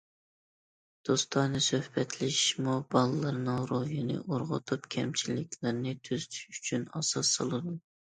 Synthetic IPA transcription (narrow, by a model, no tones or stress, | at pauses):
d̪̥ost̪ʰɑnɨsøhbɛt̪ʰlɪʃmubɑlˠɨlˠɨɾnɨŋɾojɪnɨ̰ʔoɾʁʊ̰t̪ʰupkʲʰɛmt͡ʃʰilɪkʲʰlɪɾnɪt̪ʰøzt̪ʰy̥ʃyt͡ʃʰynɑsɑsːɑ̰lˠɨd̪u